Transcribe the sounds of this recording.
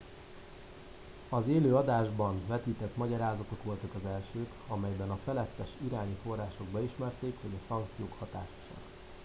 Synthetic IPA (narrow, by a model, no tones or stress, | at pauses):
ɒzeːløːɒd̪aːʒbɒnvɛt̪iːt̪ɛt̪mɒɟɒɾaːzɒt̪o̞kʋo̞lt̪ɒkɒzɛlʃøːkɒmɛjbɛnɒfɛlɛt̪ːɛʃiɾaːɲifo̞rːaːʃo̞ɡ̚bɛiʃmɛrt̪eːkho̞ɟɒsɒŋkt̪sijoːkhɒt̪aːʃo̥ʃo̰n